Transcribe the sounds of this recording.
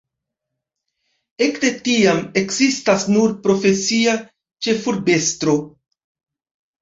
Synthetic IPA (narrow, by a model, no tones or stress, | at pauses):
e̞kde̞tiame̞kzistasnuɾpɾo̞fe̞sia | t͡ʃe̞fuɾbe̞stɾo̞